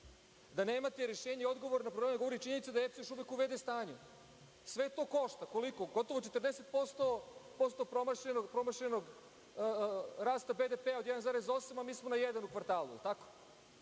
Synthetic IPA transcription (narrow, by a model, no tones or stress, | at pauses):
d̪aneːmat̪eɾeʃeːɲeio̞d̪ɡo̞ʋoɾnapɾolemeɡo̞ʋoɾit͡ʃiɲe̞nit̪sad̪aeft̪jo̞ʃuʋekuʋed̪est̪aːɲu | sʋe̞t̪o̞ːko̞ʃt̪ako̞liko̞ɡo̞t̪o̞ʋo̞t͡ʃet̪rd̪eset̪̚po̞st̪o̞po̞st̪o̞pɾomaʃʎenopɾo̞maʃʎenoɡ | ɾaːst̪abe̞d̪epeaojed̪anzaːɾezo̞samamiːsmonajed̪anukʋaɾt̪aːlujḭlt̪ako̥